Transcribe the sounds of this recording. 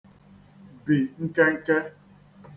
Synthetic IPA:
bi˨ŋ̩˦ke˦ŋ̩˦ke˦

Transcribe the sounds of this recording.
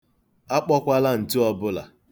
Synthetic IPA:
a˦k͡pɔ˦kʷa˦la˦n̩˨tɪ˦ɔ˦bʊ˦la̰˨

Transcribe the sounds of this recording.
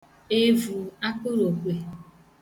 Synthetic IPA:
e˦vu˨a˦kʊ˦ɾo˨kʷe˨

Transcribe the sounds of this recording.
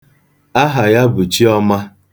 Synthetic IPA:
a˦ɦa˨ja˦bʊ˨t͡ʃi˦ɔ˦ma˦

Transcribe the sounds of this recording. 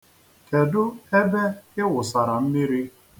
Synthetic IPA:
ke˨dʊ˦e˦be˦ɪ˦wʊ˨sa˨ɾa˨m̩˦mi˦ɾi˦

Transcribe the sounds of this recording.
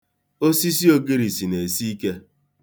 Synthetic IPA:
o˦si˦s̬i˦o˦ɡi˦ɾi˨si˨ne˨si˦i˦ke˦

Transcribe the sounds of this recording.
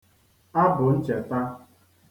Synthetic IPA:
a˦bʊ˨n̩˦t͡ʃe˨ta˦

